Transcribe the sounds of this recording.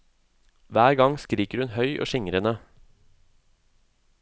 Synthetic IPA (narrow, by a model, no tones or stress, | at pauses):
ʋæːɾɡɑŋskɾiːkəɾhʉnhœʏʔo̰ːʃɪŋɾənə